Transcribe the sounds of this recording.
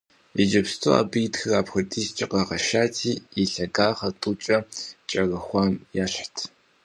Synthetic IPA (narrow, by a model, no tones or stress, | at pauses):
id͡ʒɐpstʰo̰a̰ːbɨjtxɨraːpxʊdiːst͡ʃʼɪqɐʁɐʃaːtʰiːiɬɐɡaːχɐtʼut͡ʃʼɐt͡ʃʼɐɣɐxʷɑːmjaːɕħtʰ